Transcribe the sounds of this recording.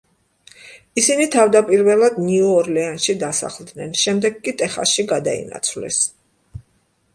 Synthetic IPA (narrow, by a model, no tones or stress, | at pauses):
isinit̪ʰavd̪apʼiɾvɛlˠad̪niɔɔɾlɛanʃid̪asa̰χlˠd̪nɛnʃɛmd̪ɛɡkʼːit̪ʼɛχa̰ʃiɡad̪a̰ḭna̰t̪sʰvlɛ̰s